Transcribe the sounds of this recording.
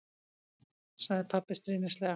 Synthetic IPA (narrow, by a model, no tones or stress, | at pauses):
saɣðɪpʰapːɪst̪ɾiːnɪst̪lɛɣa